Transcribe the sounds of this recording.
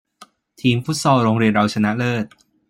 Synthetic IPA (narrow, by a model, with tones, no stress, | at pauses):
t̪ʰiː˨˧mfu˦˥t̪̚sɔː˧wɾoː˧ŋɾi˧ənɾa˧wt͡ɕʰa˧na˦˥ʔlɤː˥˩t̪̚